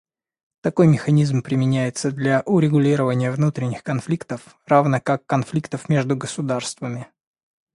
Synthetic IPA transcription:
t̪ɐko̞jmʲɪxɐnʲizmpɾʲɪmʲɪnʲæjɪt̪səd̪lʲaʔʊɾʲɪɡʊlʲiɾəvənʲɪjəvnut̪ɾʲɪnʲːɪxkɐnflʲikt̪əf | ravnəkakːɐnflʲikt̪əfmʲeʐd̪ʊɡəsʊd̪arst̪vəmʲɪ

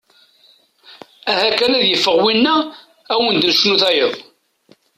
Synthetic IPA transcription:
æhækænæðjəfːəʁwinːæ | æwənd̪nəʃnuθæjəðˤ

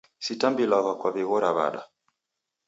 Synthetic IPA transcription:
sitambilaɣakwaviɣɔɾaβa̰ɗa̰

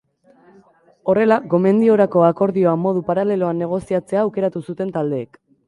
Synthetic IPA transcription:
o̞re̞laɡo̞me̞nd̪io̞ɾako̞ako̞ɾðio̞amːo̞ðupaɾale̞lo̞anːe̞ɣ̞o̞siat͡se̞aːwke̞ɾat̪usut̪e̞nt̪ald̪e̞ːk

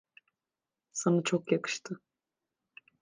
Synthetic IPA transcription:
sanat͡ʃʰokjakɯ̥ʃt̪ʰɯ

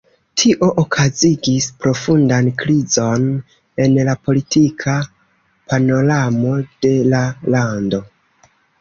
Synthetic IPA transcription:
tʰiʔo̞ʔokʰaziɡispɾo̞fundankɾizo̞n | e̞nlapo̞litʰikʰa | pʰano̞ɾamo̞d̥e̞lalando̞

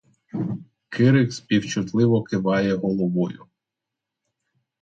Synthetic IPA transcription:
kʰɪɾɪkspʲiwt͡ʃʊt̪lˠɪʋɔkɪʋɑjɛɦɔlˠɔʋɔjʊ

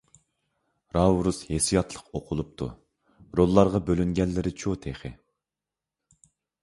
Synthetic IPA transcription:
ɾɑwɾushesijɑt̪ʰlˠə̥qoqʰʊlˠup̚t̪ʰṵ | ɾolˠːɑɾʁɑbølyŋɡʲɛlːɪɾɪt͡ʃʰot̪ʰeχɪ̰

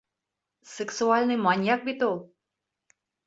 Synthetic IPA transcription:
sɨksualʲnɨmanʲjak̚bit̪o

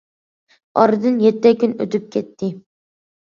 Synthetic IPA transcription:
ɒ̰ɾɨd̪ɨnjet̪ːɛkʲynɵt̪yp̚kʲʰet̪ʰːɪ

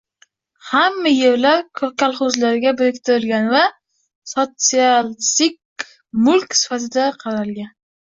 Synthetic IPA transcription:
hamːajeɾlaɾkʰʲalˠχʊzlaɾɪɡʲabɪɾɪkʲt̪ʰɪɾɪlɡʲanva | sot̪sialsɪk | mʊlkʲsɪ̥fat̪ʰɪd̪aqʰɑɾalɡʲan

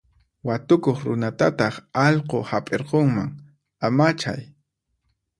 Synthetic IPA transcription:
wat̪ʊkoχɾʊnat̪at̪ɑχɑʎqohapʼeɾqoŋmaŋ | amat͡ʃa̰j

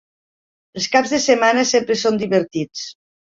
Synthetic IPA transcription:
əlˠskabzðəsemanəsempɾəsond̪iβəɾt̪it͡s

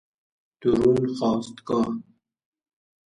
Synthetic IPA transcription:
t̪uɾunxɑːst̪kɑ

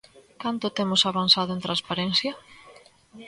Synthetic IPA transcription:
kant̪ʊt̪emʊsaβansaðʊẽnt̪ɾanspaɾenθjɐ

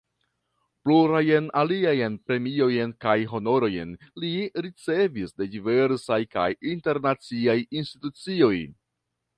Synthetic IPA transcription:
pluɾajenaliajenpɾe̞mio̞jenkajɦo̞no̞ɾo̞jḛnliɾit͡se̞visde̞dive̞ɾsajka̰jinte̞ɾnat͡siajinstitut͡sio̞j

